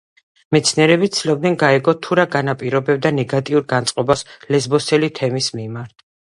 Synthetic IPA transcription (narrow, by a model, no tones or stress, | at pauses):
mɛt̪sʰniɛɾɛbit̪sʰilɔbd̪nɛnɡaɛɡɔt̪ʰuɾaɡanapʼiɾɔbɛb̚d̪anɛɡat̪ʼiuɾɡant̪sʼqʼɔbaslɛzbɔsɛlit̪ʰɛmismimaɾt̪ʰ